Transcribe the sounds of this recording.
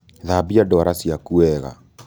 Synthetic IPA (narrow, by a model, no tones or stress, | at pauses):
ðabiadɔɾasjakuɛɣa̰